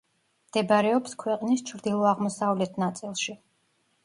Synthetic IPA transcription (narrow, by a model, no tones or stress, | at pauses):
md̪̥ɛbɾɛɔpskʰwɛqʼnist͡ʃʰɾd̪ilˠɔaʁmɔsavlɛt̪ʰnat̪sʼilˠʃi